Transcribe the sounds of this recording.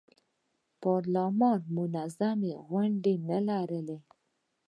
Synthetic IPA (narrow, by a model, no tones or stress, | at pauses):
pɑɾlamɑnmʊnazameɣwaɳɖenalaɾəle